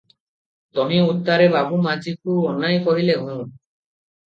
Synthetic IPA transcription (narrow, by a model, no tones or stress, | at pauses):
t̪ɔɦĩut̪ːaɾebabumad͡ʒikuɔnajkɔɦileɦũ